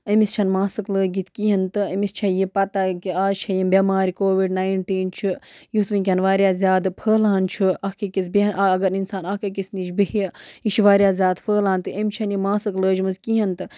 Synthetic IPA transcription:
ɐmist͡ʃʰɐnmaːsɨkləːɡit̪ʰʲkiɦɐnt̪ɨɐmist͡ʃʰɐjipɐt̪akiaːt͡ʃʰɐjimbʲemaːɾikoːʋiɖnaːjɳʈiːnt͡ʃʰujusʋinkʲɐnʋaːɾjaːzʲjaːd̪pʰəːlaːnt͡ʃʰuɐhkikisbinɐɡɐɾinsaːnɐkɐkisnit͡ʃbihiʃiʋaːɾʲijaːzʲjaːd̪pʰəːlaːnt̪ɨɐmʲt͡ʃʰɐnjimaːsɨkləːd͡ʒmɨzkiɦɐnt̪ɨ

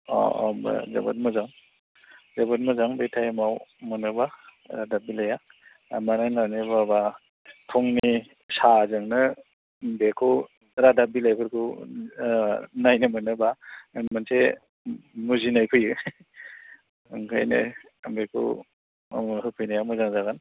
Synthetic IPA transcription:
ɔ̰mba̰za̰ba̰t̚mɯzaŋ | zabat̚mɯzaŋbetʰajmawmɯnɯba | ɾadap̚bilaja | amananawnɯbaba | tʰɔŋni | sazɯŋnɯ | mbekʰu | ɾadabilajkʰɯɾkʰu | najnɯmɯnɯbamanse | muzinajpʰɯjɯ | ɯŋkʰa̰jnɯ̰ | mbekʰṵ | ɦɯpʰɯjnajamɯzaŋzaɡan

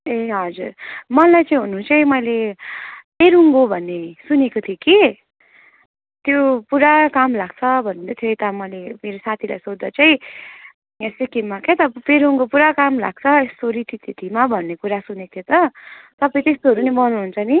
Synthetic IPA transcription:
eɦʌd͡zurmʌnlajt͡saĩɦunuːnt͡sʌĩmʌjle | peɾuŋɡobʱʌnːesunekot̪ʰjoki | t̪jopuɾakamlaɡ̥̚t͡sʰʌbʱʌnũnd̪ʌt̪ʰjokit̪ʌmʌjlemeɾosat̪ʰila̰jsod̪ːʌt͡saĩ | esikimmaket̪ʌpeɾuŋkopuɾakamla̰ɡ̥̚t͡sʰʌest̪oɾit̪ʰit̪ʰit̪ʰimabʱʌnːekuɾasunekot̪ʰot̪ʌt̪ʌpaĩt̪est̪oɦʌɾunibʌnuɦunt͡sʰʌni

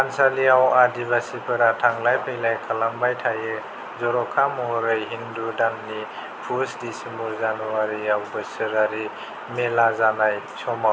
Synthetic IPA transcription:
ansaliawadibasipʰɯɾatʰaŋlajpʰejlajkʰalambajtʰajɯ | zɔɾɔkʰamɔɦɔɾɯjɦindudanːi | pʰusdisimuɾzanuwaɾiawbɯsɯɾaɾi | melazanaj | sʰɔmaw

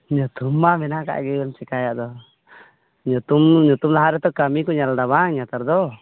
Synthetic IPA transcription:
ɲut̪umːamɛnaka̰ʔɡɛɔmt͡ʃɛkajaʔd̪ɔ | ɲɔt̪umɲut̪umlaɦaɾɛt̪ɔkamikɔɲalɖaβaŋɲat̪aɾd̪ɔ

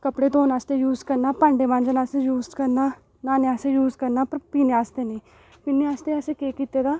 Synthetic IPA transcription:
kəpɽeːt̪oːnaːst̪eːjuːzkəɾnaːpãːɳɖeːʋãːnd͡ʒənaːseːjuːzkəɾnaː | naːnẽaːseːjuːzkəɾnaːpəɾpiːneːaːst̪eːnĩː | piːneːaːst̪eːaseːkeːkiːt̪eːd̪aː

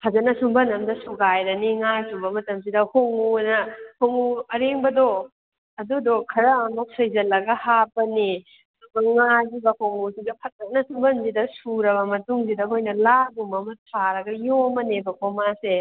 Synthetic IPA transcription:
pʰazɐnɐsumbɐnɐmdɐsuɡajɾɐniŋajtubɐmɐtɐmsidɐhoŋunɐhoŋuɐɾeŋbɐdo | ɐdudokʰɐɾɐːmok̚sɐjzɐlːɐɡɐhapɐni | subɐŋajzubɐhoŋusidɐpʰɐk̚ɐk̚nɐsumbɐnzidɐsuɾɐbɐmɐtuŋsidɐɦojnɐlaɡumɐmɐtʰaɾɐɡɐjomɐnebɐkʰomase

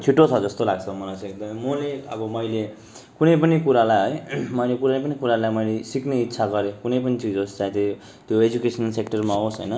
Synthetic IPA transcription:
t͡sʰiʈːot͡sʰʌd͡zʌst̪olaɡt͡sʰʌmʌlat͡sekɡ̚d̪ʌmʌmoleʌbʌmʌjle | kunʌjpʌnikuɾalajɦʌjmʌjlekuɾaep̬ʌnikuɾalajmʌjlesikneit̪ːsʰaɡʌɾekunʌjp̬ʌnit͡sid͡zost͡sãĩt̪e | t̪joed͡zukesʰʌnʌlsek̚ʈʌrmaɦosɦʌ̰jnʌ

